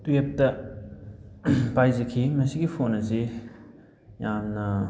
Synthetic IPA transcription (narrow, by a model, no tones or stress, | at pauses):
twep̚tɐ | pajzɐkʰimɐsiɡipʰonɐsi | jamnɐ